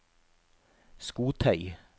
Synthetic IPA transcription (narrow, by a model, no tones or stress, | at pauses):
skuːt̪ʰœʏ